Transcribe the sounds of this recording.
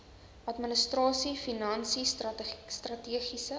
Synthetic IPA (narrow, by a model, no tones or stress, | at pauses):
ʔɐtmənəstrɑːsifinɐnsisstrɐtiəχisə